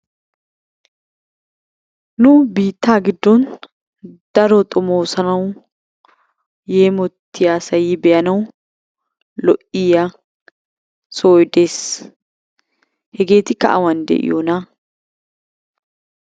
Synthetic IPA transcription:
nʊbiːt̪ːaːɡɪd̪ːɔn | d̪̥ɐɾɔt̪ʼʊmoːsɐnɐw | jeːmɔt̪ʰːɪjaːsɐjiːbɛʔɐnɐw | lɔʔija | soːjd̪eːs | hɛɡe̞ːt̪ɪkːɐ̰ʔɐ̰wɐnd̪ɛ̰ʔɪ̰jona

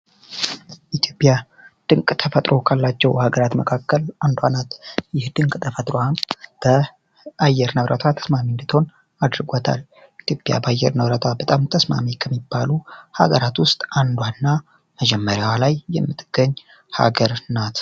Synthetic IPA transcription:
ʔit̪ʰjo̞pʼja | d̪̥ɨŋkʼt̪ʰəfət̪ʼɾʔo̞kʰalːat͡ʃːɛwhaɡəɾat̪məkʰakːəlʔand̪wanat̪jɪhd̪ɨŋkʼt̪ʰəfət̪ʼɾoab̥ə | ajːɛɾnəβɾʔət̪ʰwat̪ʰə̥smamind̪ɨt̪ʰho̞n | ad̪ɾɨɡʷot̪ʰa̰l | it̪ʰjo̞pʼja̰bəajːɛ̰ɾnəβɾət̪ʰwabət̪ʼamt̪ʰəsma̰mikʰəmːibːaluha̰ɡəɾat̪wʊst̪ʼand̪wanːa | məd͡ʒɛmːəɾjawalajːɛmːɨt̪ʼɡ̥əɲː | ha̰ɡəɾnat̪

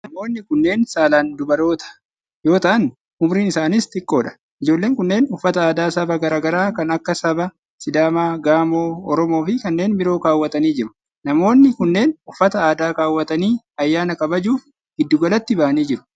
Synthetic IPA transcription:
nɐmo̞ːnːɪkʊnːe̞ːnsaːlaːnd̪ʊbɐɾo̞ːt̪ɐ̥ | jo̞ːt̪ɐʔɐn | ʊmɾiːnɪsaːnɪst̪ɪkʼːo̞ːᶑɐ̥ | ɪd͡ʒo̞ːlːe̞ːŋkʊnːe̞ːnʊfːɐt̪ɐaːd̪aːsɐbɐɡɐɾaːɡɐɾaːkɐnɐkːɐsɐbɐ | sɪd̪aːmaːɡaːmo̞ːɔɾɔmo̞ːfɪkɐnːe̞ːnbɪɾo̞ːkaːwːɐt̪ɐniːd͡ʒɪɾʊ̥ | nɐmo̞ːnːɪkʊnːe̞ːnʊfːɐt̪ɐaːd̪aːkaːwːɐt̪ɐniː | ɐjːaːnɐkʼɐbɐd͡ʒuːf | ɡ̥ɪd̪ːʊɡɐlɐt̪ːɪbɐʔɐniːd͡ʒɪɾʊ̥

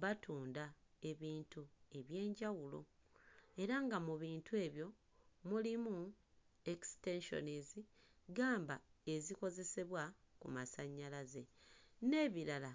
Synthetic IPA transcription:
βatuːndae̞βiːntue̞βje̞ːɲɟawulo̞̰ | e̞ɾaŋɡamuβiːntʰue̞ːβjo̞ | mulimu | ekste̞nʃo̞̰nizi | ɡaːmbae̞ziko̞ze̞se̞βwakṵmasaɲːalaze̞ne̞ːβiɾala

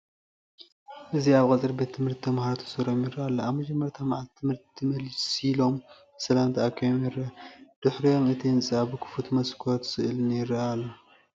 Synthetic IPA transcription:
ʔɨziaβkʼɐt͡sʼɨɾbet̪ʰːɨmhɨɾt̪t̪ʰɐmahaɾot̪ʰɐ̥sɨɾomjɪɾːɐʔalːoaβmɐd͡ʒɐmːɐɾt̪ʰɐmaʕat̪t̪ʰːɨmhɨɾt̪t̪ʰimɐlsilo̞m | sɐlamt̪ʰɐakʰːɐjomjɪɾɐd̪̥ɨħɾijo̞mɨt̪ʰiɨnt͡sʼaβɨkʰɨ̥fut̪mɐskʰoɾot̪sɨʔɨlɨnjɪɾːɐʔalːo

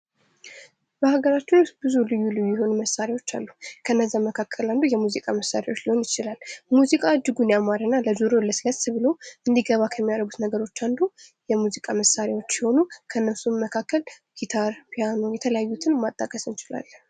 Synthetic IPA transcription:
bəhaɡəɾat͡ʃːɪnsbɨzulɨjːulɨjːuːjɛho̞numəsaɾewo̞t͡ʃːa̰lːukʰəɨnːəzːamːəkʰakʰːəland̪ujɛmuzikʼaməsːaɾewot͡ʃːliho̞njɪt͡ʃɪlalːmuzikʼaːd͡ʒːɨɡunjamaɾɨnːaləd͡ʒuɾoləsləsβɨlowʔɨnd̪iɡəβakʰəmːijaɾəɡut̪nəɡəɾo̞t͡ʃːand̪ujɛmuzikʼaməsaɾawo̞t͡ʃːjɪho̞nukʰənːəsumːəkʰakːəl | ɡit̪ʰaɾpʰjano̞jɛt̪ʰələjajːut̪ʰɨnmat̪ʼːakʼəsɨnt͡ʃɪla̰lː

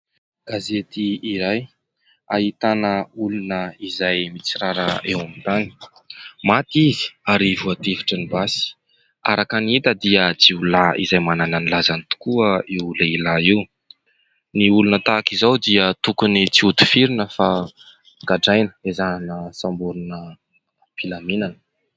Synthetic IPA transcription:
ɡ̥azet̪iiɾaj | aɦit̪anəulunəizajmit͡siɾaɾəʔewamit̪ani̥ | mat̪izi̥aɾivuat̪efi̥ʈ͡ʂənibasi̥ | a̰ɾakanit̪əd̪iət͡siulaḭzajmanananilazanit̪u̥kuəiuləilaiw | niulunət̪akizawd̪iət̪ukunit͡siut̪u̥fiɾinəfa | ɡaɖ͡ʐajnə̥ezanəsambuɾunə | pilaminanə̥

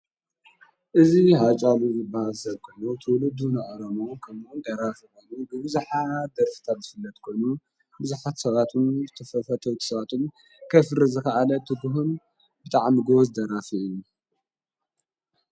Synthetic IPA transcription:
ʔɨziɦat͡ʃʼaluzɨbahalsɐβkʰɨlːot̪ʰɨwlɨd̪unɐʔʼɐɾɐmokʰɐmund̪ɐɾafikojubɨβɨzuħad̪ɐɾfɨ̥t̪ʰat̪zɨfɨlːɐt̪kʰo̞jnu | bɨzuħat̪sɐβat̪ʰumzɨt̪ʰɐfɐfɐt̪ʰɐwt̪ʰi̥sɐβat̪ʰum | kʰɐfɨɾizɨxɐʔalɐt̪ʰɨɡuɦun | bɨt̪ʼaʕmiɡozd̪ɐɾafiɨju

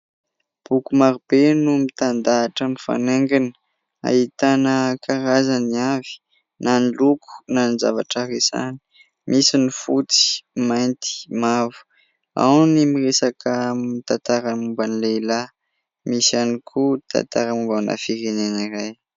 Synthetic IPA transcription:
b̥ukumaɾubenumit̪and̪aːʈ͡ʂənifa̰neŋɡinə̥ | a̰ɦit̪anəkʰaɾazaniavi̥ | nanilukʰu̥naniza̰va̰ʈ͡ʂaresa̰ni̥ | mʔisinifut͡si̥majnt̪i̥mavu̥ | a̰wnimiresakəmit̪at̪aɾamumbanileila | misanikʰut̪ʰa̰t̪aɾamumbana̰fiɾeneniɾaj

